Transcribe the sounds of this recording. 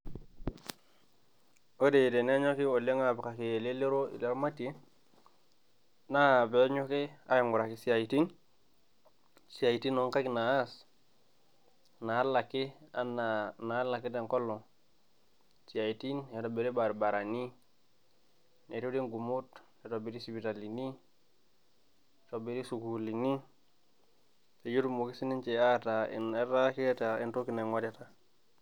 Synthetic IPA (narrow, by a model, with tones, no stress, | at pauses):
o˦de˨de˨ne˦ɲo˦ki˦o˨le˦ŋa˦˨bi˨ka˨ki˨e˨le˦le˦ɾo˦ḭ˨le˦ɾma˦ti˦ | na˦˨be˨˦ɲo˦ki˦a̰˦jo˨ŋɡu˨ɾa˨ki˨si˦a˨i˨ti˦n | si˨a˨i˨ti˦no˨˦ŋka˦kna˨a˦s | na˨a˦la˨ki˦a˦n˨na˨˦la˨ki˦de˨ŋko˦lːo˨ | t͡ʃi˨a˨i˨ti˦njo˨to˨be˨ɾi˦ba˨ɾba˨ɾa˨ni˦ | ne˨to˦di˦ŋɡu˨mu˦tne˨˦to˨be˨ɾi˦si˨bi˨ta˨li˨ni˦˨ | to˨be˦ɾi˦su˨ku˨li˨ni˦ | se˨jo˦tu˦mo˨ki˦si˦ni˦nt͡ʃe˨a˦ta˨ḭ˨ne˦ɾa˦ki˦ta˨i˨nto˦ki˨˦na˨ŋwa˦ta˦ta˨